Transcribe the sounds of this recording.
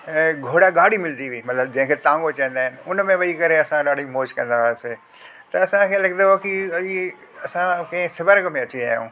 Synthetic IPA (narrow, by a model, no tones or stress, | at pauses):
ɡʱoːɽaɠaːɽimɪld̪iʋiːmɐt̪ləbd͡ʑɐ̃ɦɪ̃ŋkʰet̪ãːŋɡot͡ɕɐ̃ĩnd̪aːɦɪnɪ̆ʊnmẽʋɐikɐɾeɐsãɗaːɽ̤imoːd͡ʑkɐ̃nd̪aʋaːeseː | t̪ɐɐsãkʰeːlɐɡd̪oɐkii | ɐsãkɐ̃ɦɪ̃sɐbəɾɡmẽɐt͡ɕĩa̰ːɦjṵ̃ː